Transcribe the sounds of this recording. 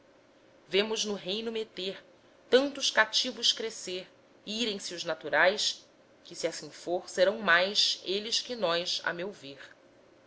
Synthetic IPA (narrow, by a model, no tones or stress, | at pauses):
vẽmʊznʊɦejnʊmet̪eɾ | t̪ɐ̃nt̪ʊʃkat͡ʃivʊʃkɾeseɾ | iɾẽj̃siʊʒnat̪uɾajs | kʲɪsiasĩfoɾseɾɐ̃w̃majʃelɪʃkɪnɔjʃa̰mewveɾ